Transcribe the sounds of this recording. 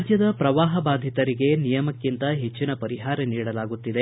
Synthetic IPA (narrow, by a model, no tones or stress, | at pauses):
d͡ʒjɐd̪ɐpɾɐʋaːɦɐbaːd̪ʱit̪ɐɾiɡe̞nijɐmɐkːint̪ɐɦe̞t͡ʃːinɐpɐɾiɦaːɾɐniːɽɐlaːɡut̪ːid̪e